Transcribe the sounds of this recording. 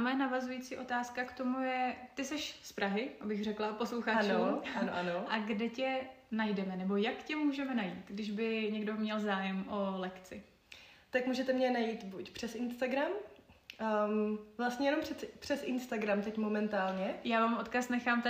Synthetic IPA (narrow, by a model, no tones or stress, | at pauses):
mjɛnavazujit͡siːʔo̞t̪aːskakt̪o̞mujɛt̪ɪsɛʃspɾʔaɦɪʔabɪxrɛklapo̞sloxaat͡ʃouanoʔanoʔaɡdɛcɛ | najdɛmɛnɛbo̞jakcɛmuːʒɛmɛnajiːt̪ɡdɪʒbɪɲɛɡdo̞mɲɛlzaːjɛmʔo̞lɛkt͡sɪ | t̪akmuːʒɛt̪ɛmɲɛnajiːt̪bucpr̝̥ɛsɪnst̪aɡɾam | vlast̪ɲɛjɛnomprɛpr̝̥ɛsʔɪnst̪aɡɾamt̪ɛcmomɛnt̪aːlɲɛjaːvaːmʔo̞t̪kasnɛxaːmt̪